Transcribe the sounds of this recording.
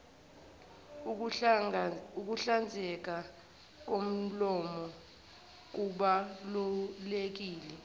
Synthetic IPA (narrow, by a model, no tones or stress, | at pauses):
uk̬uɬand͡zʱɛk̬a | k̬om̩lɔmɔ | k̬uɓalulek̬iːlɛ